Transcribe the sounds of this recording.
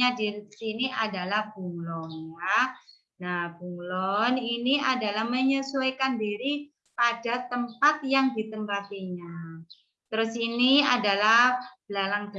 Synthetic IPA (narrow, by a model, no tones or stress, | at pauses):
adiɾsiniʔadalahb̥uŋlɔnja | nab̥uŋlɔniniadalahməɲəsuakandiɾi | padat̪əmpat̪̚jaŋdit̪əmpat̪iɲa | t̪ɾʊsiniadalab̥lalaŋd